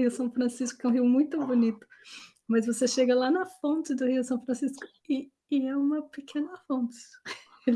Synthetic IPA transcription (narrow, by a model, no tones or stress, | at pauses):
iʊsɐ̃w̃fɾɐ̃siskʊkɛũɦiwmũj̃t̪ʊbonit̪ʊ̥ | mɐzvoseʃeɡɐlanɐfõnt͡ʃɪd̪ʊhiʊsɐ̃w̃fɾɐ̃siskʊ̥ | ɪː | ɛũmɐpɪkʰẽnɐfõt͡ʃɪ̥